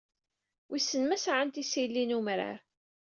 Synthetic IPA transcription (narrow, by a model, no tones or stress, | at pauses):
wʔisːənmæsʕənt̪isilːinumɾa̰ɾ